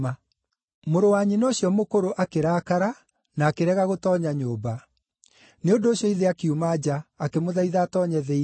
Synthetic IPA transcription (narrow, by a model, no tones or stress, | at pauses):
a | moɾowaɲinoːɕjɔmokoɾoʔakeɾaːkaɾa | naːkeɾɛɣaɣotɔːɲaɲoːba | neondoːɕjɔiðeakeumaːd͡ʑaːkemoðaiðaːtɔɲɛðei